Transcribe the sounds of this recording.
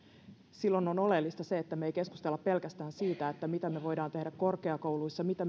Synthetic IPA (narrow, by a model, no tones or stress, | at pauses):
silːo̞nono̞le̞lːist̪ɑse̞ːt̪ːæmejke̞skust̪elːɑppe̞lkæst̪æːnsiːt̪æet̪ːæmit̪æmeʋo̞jdɑːnt̪e̞hdækko̞rke̞ɑko̞wluisːɑmit̪æ